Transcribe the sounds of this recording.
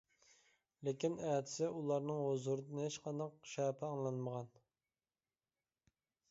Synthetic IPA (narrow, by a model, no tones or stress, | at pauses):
lekʲinɛːt̪ʰɪ̥sɪʔulˠɑɾnɨŋhozuɾɨd̪ɨnɨheʃqɑnd̪ɑq̚ʃɛːpʰɪɑŋlˠɑnməʁɑn